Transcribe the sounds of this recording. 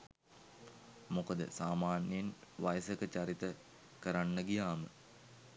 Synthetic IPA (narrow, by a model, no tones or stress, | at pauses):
mokəd̪ə̰saːmaːnjjenʋajsəkət͡ɕaɾit̪ə | kəɾanːəɡijaːmə̰